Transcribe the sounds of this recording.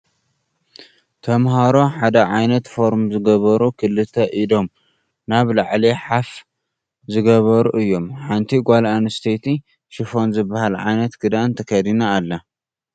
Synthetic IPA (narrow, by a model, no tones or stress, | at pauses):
t̪ʰɐmhaɾo̞ħad̪ɐʕajnɐt̪fo̞ɾmzɨɡɐβɐɾukʰɨlːɨt̪ʰɐʔido̞m | naβlaʕliħaf | zɨɡɐβɐɾuʔɨjːo̞mħant̪ʰiɡʷalanɨst̪ʰet̪ʰi | ʃɪfo̞nzɨbːahalʕa̰jnɐt̪ɡɨd̪ant̪ʰɐkʰɐd̪inaːlːɐ